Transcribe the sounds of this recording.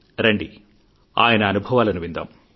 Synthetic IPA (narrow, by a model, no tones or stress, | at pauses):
ɾeɳɖi | a̰ːjɐnɐɐnubʱɐʋaːlɐnuʋind̪ɐ̰m